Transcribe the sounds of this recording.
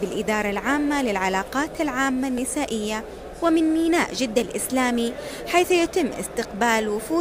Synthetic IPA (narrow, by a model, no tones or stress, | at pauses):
bɪlʔɪd̪ɑːɾˤɑlʕaːmːalɪlʕalaːqɑːt̪alʕaːmːanːɪsaːʔɪjːa | wɪmɪnmiːnaːʔd͡ʒɪd̪ːalʔɪslaːmi | ħaːθjat̪ɪmːʔɪ̰st̪ɪqbaːlwʊfuː